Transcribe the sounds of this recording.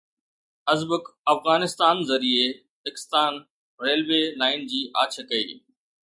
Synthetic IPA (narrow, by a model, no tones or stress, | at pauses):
ɐzbəkɐfɣaːnɪst̪aːnzɐɾie | pekɪ̥st̪aːn | ɾeːlʋeːlaːɪnd͡ʑiːʔa̰ːt͡ɕʰəkɐḭː